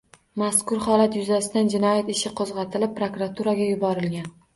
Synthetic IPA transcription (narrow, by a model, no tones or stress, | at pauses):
maskʊɾχɒlat̪jʊzasɪd̪and͡ʒɪnɒjat̪ɪʃɪqʰozʁɑt̪ʰɪlɪp̚pːɾokɾat̪ʰuɾaɡʲajʊbɒɾɪlɡʲan